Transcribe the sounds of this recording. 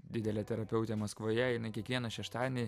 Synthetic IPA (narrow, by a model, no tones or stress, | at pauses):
d̪ʲɪd̪ʲɛlʲɛt̪ʲɛɾɐpʲɛʊt̪ʲeːmɐskʋoːjɛjɪnɐɪkʲiɛkʋʲiɛnɐʃʲɛʃt̪ɑːd̪ʲnʲi